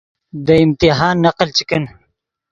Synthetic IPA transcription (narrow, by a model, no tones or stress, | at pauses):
d̪ɐimt̪iɦaːnːɐqlt͡ʃikən